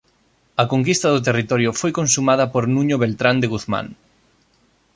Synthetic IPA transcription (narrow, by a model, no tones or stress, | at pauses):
ɐkoŋkist̪ɐðʊt̪̬erit̪ɔɾjʊfojkõnsumað̞ɐpoɾnũɲʊβelt̪ɾand̪eɣuθmã̰ŋ